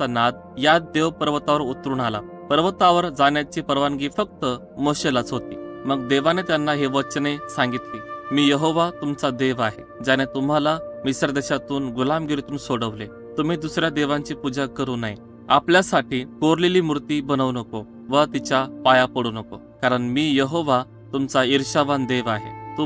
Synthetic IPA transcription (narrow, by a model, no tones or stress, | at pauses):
t͡sanad̪̚ | jad̪eʋpəɾʋət̪aʋəɾut̪ɾuːɳala̰ | pəɾʋət̪aʋəɾd͡zaɳjat͡ɕiːpəɾʋanɡiːfək̚t̪ə | moɕelat͡sɦot̪ḭːməɡ̚d̪eʋanet̪janːaɦeʋətt͡ɕnesãŋɡit̪lemiːjəɦoʋat̪umt͡sad̪eʋaɦe | d͡ʑañet̪um̤alamisɾd̪eɕat̪uːnɡulamɡiɾet̪uːnsoɽəʋle | t̪um̤iːd̪usɾjad̪eʋãɲt͡ɕiːpud͡ʑakəɾuːnaɦi | apljasaʈʰiːkoɾleliːmuɾt̪iːbənəʋnəko | ʋət̪it͡ɕapajapəɽuːnəko | kaɾəɳmiːjəɦoʋa | t̪umt͡saiɾɕaʋand̪eʋaɦḛt̪u